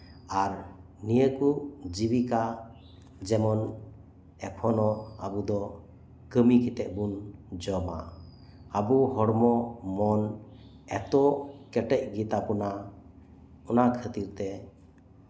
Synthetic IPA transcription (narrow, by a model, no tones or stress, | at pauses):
aɾ | nijəkud͡ʒibika | d͡ʒɛmɔn | ɛpʰɔnɔabud̪ɔ | kəmikit̪ɛʔ̚bund͡ʒɔma̰ | əbuɦɔɽmɔmɔn | ɛt̪ɔkɛʈɛc̚ɡit̪apuna | ɔnakʰət̪iɾt̪ɛ